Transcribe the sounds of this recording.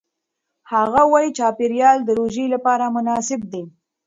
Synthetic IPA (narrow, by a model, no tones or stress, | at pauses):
haɣawɑjit͡ʃɑpɪɾjɑld̪əɾoʒilapɑɾamʊnɑsɪb̚d̪e